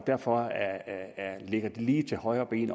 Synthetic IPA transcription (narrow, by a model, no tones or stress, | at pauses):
d̥æɐ̰fɒ | æleɡ̥ɐd̥eliːt͡sʰe̝lhɒ̽ɪɐːb̥e̝̰ːn